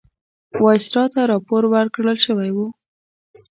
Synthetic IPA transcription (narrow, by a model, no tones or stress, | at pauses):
wɑsɪ̥ɾɑt̪aɾɑpoɾwaɾkɽəlʃəwajwu